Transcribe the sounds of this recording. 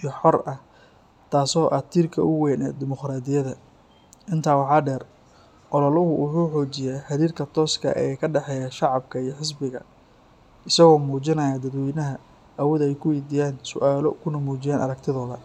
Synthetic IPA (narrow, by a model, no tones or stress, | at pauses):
ʔijɔħɔrɐh | t̪ʰaːsɔːʔɐt̪ʰiːrkʰɐ̰ʔʊwɛːnɛ̰d̪ɪmɔqraːd̪ɪjɐðɐ | ʔɪnt̪ʰaːwɑħɑːɖɛːr | ʔɔlɔlɐɦʊwʊħuːħɔːt͡ʃɪjaːħɐɾiːrkʰɐt̪ʰɔːskʰɐ̰ʔɛ̰ːkʰɐɖɛħɛːjaʃɑʕɑbkʰɐijɔħɪs̬bɪɣɐ̰ | ɪsɐɣɔːmuːt͡ʃɪnɐjad̪ɐd̪wɛjnɐɦɐ | ʔɐwɔðɐɛjkʰʊwɛjd̪ijaːnsʊ̰ʔaːlɔ̰kʰʊnɐmuːt͡ʃɪjaːnʔɐ̰ɾɐk̚t̪ʰɪðɔːðɐ̰